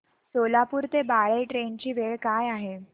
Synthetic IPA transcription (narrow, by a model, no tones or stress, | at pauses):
solapuːɾt̪ebaɭeʈɾeɳt͡ɕiːʋeɭkajaɦe